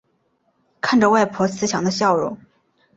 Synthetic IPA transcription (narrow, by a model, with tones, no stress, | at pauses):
kʰa˥˩nʈ͡ʂə˨˩wa˥˩ɪpʰwɔ˧˥t͡sʰɹ̩˧˥ɕjɑ˨˥ŋd̪ə˧ɕjɑ˥˧ʊɻṵ˥˩ŋ